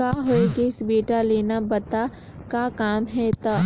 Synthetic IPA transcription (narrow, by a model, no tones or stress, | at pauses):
aɦoekeɪsbeːʈaleːnabɐt̪a | kakaːmɦɛt̪a